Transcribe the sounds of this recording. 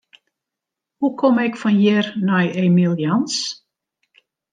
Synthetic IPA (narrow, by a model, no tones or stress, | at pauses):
hukʰomɪkfɔnjɪrnɔjemilˠjɔns